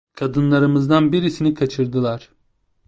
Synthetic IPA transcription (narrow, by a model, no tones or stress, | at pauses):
kʰad̪ɯnlˠaɾɯmɯzd̪anbiɾisinikʰat͡ʃʰɯɾd̪ɯlˠaɾ̥